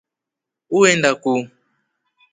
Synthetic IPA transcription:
uwendaku

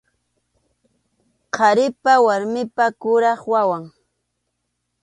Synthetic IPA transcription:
qʰɑɾɪpawaɾmɪpakʊɾɑχwawaŋ

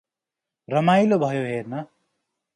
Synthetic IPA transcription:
rʌmajlobʱʌjoɦernʌ

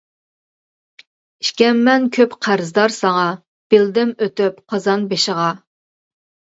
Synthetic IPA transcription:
iʃkʲɛmːɛnkʲʰøpqʰæɾzd̪ɑɾsɑŋɑ | b̥ɪld̪ɪmøt̪yp̚qʰɑzɑnbeʃəʁɑ

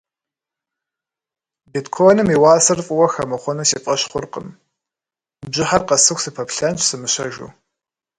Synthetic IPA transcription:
bidkʰonɨmiːwaːsɨrfʼʊwɐxɐmɐχʷɔnusiːpʼɐɕχʷʊrqə̰m | bʑɪħarqɐsɨxʷsɨpʰɐpɬɐnɕsɨmɨɕɐʒṵː

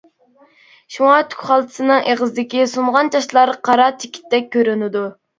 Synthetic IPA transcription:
ʃuŋɑt̪ʰy̥kʲχɑlˠt̪ʰɨ̥sɨnɨŋeʁəzɪd̪ɪkʲisumʁɑnt͡ʃʰɑʃlˠɑɾqʰɑɾɑt͡ʃʰe̥kʲʰi̥t̪ːɛk̚ʲʰːøɾynɪd̪u

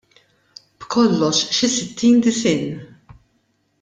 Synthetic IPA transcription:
b̥kʰɔlːɔʃʃɪsɪt̪ʰːiːnd̪ɪsɪːn

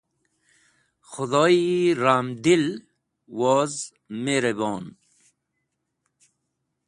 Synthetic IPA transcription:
xʊd̪oːiɾaːmd̪il | woːz | meːɾeboːn

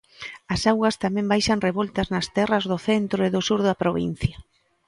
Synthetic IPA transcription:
ɐsawɣɐst̪amɛ̃mbajʃɐnreβɔlt̪ɐznɐst̪ɛrɐzðʊθent̪ɾʊɪðʊsuɾðɐpɾoβḭn̟θjɐ

